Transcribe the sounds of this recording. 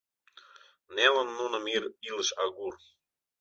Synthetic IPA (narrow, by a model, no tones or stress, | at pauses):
nelə̆nːunɤ̆miɾiləʃɑɡur